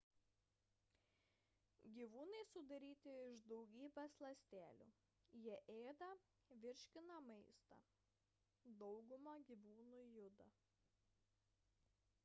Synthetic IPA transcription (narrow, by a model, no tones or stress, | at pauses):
ɡʲiːʋuːnɐɪsʊd̪ɐɾʲiːt̪ʲɪɪʒd̪ɒʊɡʲiːbʲɛslˠɐsʲt̪ʲæːlʲṵː | jiɛʔeːd̪ɐ | ʋʲɪɾʲʃʲkʲɪnɐmɐɪst̪ɐ̰ | d̪ɔʊɡʊmɐɡʲiːʋuːnujʊd̪ɐ